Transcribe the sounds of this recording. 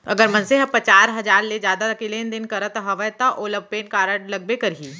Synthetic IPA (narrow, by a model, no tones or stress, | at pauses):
ɐɡəɾmɐ̃nseɦpət͡ʃaːɾɦɐd͡ʒaːɾled͡ʒjaːd̪akɪleːnd̪ɪnkɐɾət̪ɦɐʋəjt̪aʔoləb̚peːnkaːɾəʈlɐɡ̚bekɐɾɦiː